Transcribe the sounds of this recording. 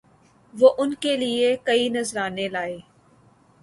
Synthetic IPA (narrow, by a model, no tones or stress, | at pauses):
ʋoːʔʊnkeliekɐinɐzɾaːnelaːeː